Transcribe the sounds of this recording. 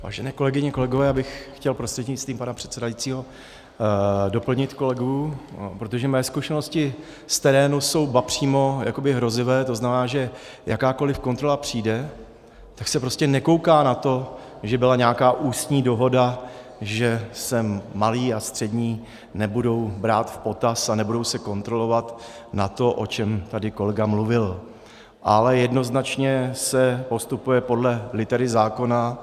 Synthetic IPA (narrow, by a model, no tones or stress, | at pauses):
va̰ːʒɛnɛːko̞lɛɡɪɲɛko̞lɛɡovɛːjaːbɪxxcɛlpɾost̪rɛd̪ɲɪst̪viːmpanapr̥ɛ̥t̪sɛdajit͡siːɦo̞ | do̞pl̩ɲɪt̪ko̞lɛɡupɾot̪oʒɛmɛɛːskuʃɛno̞scɪ | st̪ɛɾɛːnuso̞wbapr̝̥iːmo̞ja̰ko̞bɪɦɾo̞zɪvɛːt̪o̞znamɛnaːʒɛ | jʔakaːko̞lɪfko̞nt̪ɾo̞lapr̝̥iːdɛ | t̪aksɛpɾo̞scɛnɛko̞wkaːnat̪o̞ | ʒɛbɪlaɲaːkaːʔuːst̪ɲiːdo̞ɦo̞da | ʒɛsɛːaliːast̪r̥ɛdɲiː | nɛbudo̞wbɾaːt̪fpo̞t̪asanɛbudo̞wsɛko̞nt̪ɾo̞lo̞vat̪nat̪o̞ʔo̞̰t͡ʃɛmt̪adɪko̞lɛɡamluvɪl | ʔalɛjɛdno̞znat͡ʃɲɛsɛpo̞st̪upujɛpo̞dlɛlɪt̪ɛɾɪzaːko̞na